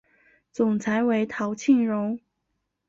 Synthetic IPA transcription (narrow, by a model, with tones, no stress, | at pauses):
t͡sʊ˨˩ŋt͡sʰa˧˥ɪwe˧˥ɪt̪ʰɑ˧˥ʊt͡ɕʰi˥˩ŋɻʊ˧˥ŋ